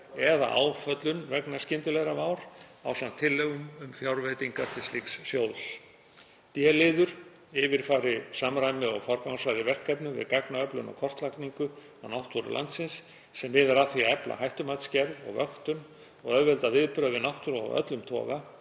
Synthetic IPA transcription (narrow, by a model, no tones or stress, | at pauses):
ɛða̰ʔa̰ːwfœt̪lʏnvɛknascɪnt̪ɪlɛɣɾamaːwɾ̥ | a̰wsamt̪ʰːɪlːɛɣʏmʏmfjawɾvejt̪iŋkat̪ʰɪlslikssjows | t̪jɛlɪːðʏɾ̥ | ɪvɪɾ̥faːɾɪsaːmɾajmɪɔɣfawɾkawsvajðɪvɛr̥kːɛpnʏvɪ̰ðkaknaœplʏnɔ̰wkʰɔr̥t̪lakniŋkʏ | awnawht̪ɔɾʏ̰lʔa̰nt̪sɪnsː | ɛmvɪðaɾaθviaɛpla̰hajht̪ʏmat̪scɛɾvɔ̰ɣvœxt̪ʏn | ɔɣœvɛlt̪avɪðpɾœːvɪnawht̪ʏɾɔ̰ɣœ̰t̪lʏmt̪ʰɔ̰ːɣa